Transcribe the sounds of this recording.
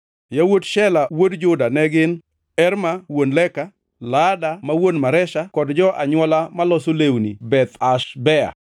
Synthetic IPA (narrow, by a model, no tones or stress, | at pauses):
jawodʃɛlawodd͡ʒʊdanɛɡɪn | ɛɾmawonlɛka | ladamawonmaɾɛʃakɔdd͡ʒɔʔaɲwɔlamalɔsolewnibɛt̪aʃbɛa̰